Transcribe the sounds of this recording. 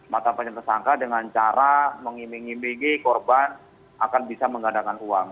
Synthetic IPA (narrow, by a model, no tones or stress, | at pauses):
mat̪apaɲat̪ərsaŋkadəŋant͡ʃaɾaməŋimiŋimiŋikɔrban | akanbisaməŋɡadakanʔuaŋ